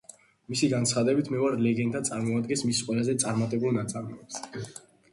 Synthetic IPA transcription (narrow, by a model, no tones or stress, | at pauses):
misiɡansχad̪ɛbit̪ʰmɛaɾlɛɡɛnt̪ʰat̪sʼaɾmɔad̪ɡɛnsmisqʼwɛlazɛt̪sʼaɾmat̪ʼɛbulˠnat̪sʼaɾmɛɛps